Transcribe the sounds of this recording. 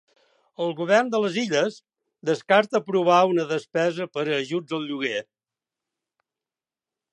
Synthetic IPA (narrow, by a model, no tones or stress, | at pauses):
əlˠɣuβ̞ɛrnd̪ələziʎəz | d̪əskaɾt̪əpɾuβ̞aunəðəspɛzəpəɾəːʒud͡zəlˠʎuɣe